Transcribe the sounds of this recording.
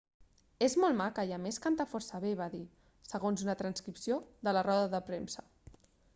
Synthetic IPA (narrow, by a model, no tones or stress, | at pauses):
ezmɔlˠmakəiəmeskant̪afɔɾsəβeβaði | səɣonzunət̪ɾənskɾipsioðələrɔðəðəpɾemsə